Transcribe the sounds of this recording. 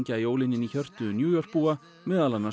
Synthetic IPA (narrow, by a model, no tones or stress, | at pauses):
ɲcajoːwlɪnːɪniçœr̥t̪ʏnjuːjɔr̥k̚puːa | mɛːðalanːa